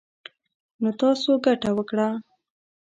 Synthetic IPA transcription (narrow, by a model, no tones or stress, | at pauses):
not̪ɑsoɡaʈawəkɽa